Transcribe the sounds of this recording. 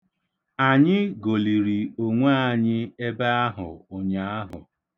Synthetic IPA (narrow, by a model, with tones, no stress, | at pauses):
a˨ɲɪ˦ɡo˨li˨ɾi˨o˨ŋʷa˦˨ɲɪ˦e˦ba˦a˦ɦʊ̰˨ʊ˨ɲa˨˦a˦ɦʊ̰˨